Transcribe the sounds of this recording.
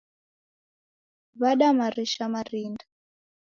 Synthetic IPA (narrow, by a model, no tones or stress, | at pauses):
βaɗamaɾiʃamarinda